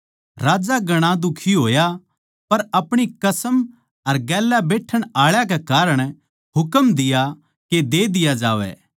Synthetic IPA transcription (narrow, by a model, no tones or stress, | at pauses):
ɾaːd͡ʒaɡɐɽ̃ãd̪ʊkʰiɦoːja | pɐɾɐpɽ̃ikɐsəm | ɐɾɡɛːlabeːʈʰːəɽ̃aːɭjak̬ekaːɾəɽ̃ | ɦʊkəmd̪ɪja | ked̪eːd̪ɪjad͡ʒaːʋɛ̰ː